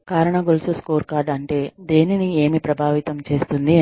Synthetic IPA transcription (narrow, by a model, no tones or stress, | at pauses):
kaːɾɐɳɐɡolsuskoːɾkaːɾɖɐɳʈe̞ːd̪eːninie̞ːmipɾɐbʱaːʋit̪ɐmt͡ʃe̞ːst̪und̪i